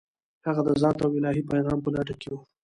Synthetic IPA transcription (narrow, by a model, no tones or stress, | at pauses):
haɣad̪əzɑ̃nt̪awɪlɑɦipajɣɑːmpəlaʈakewu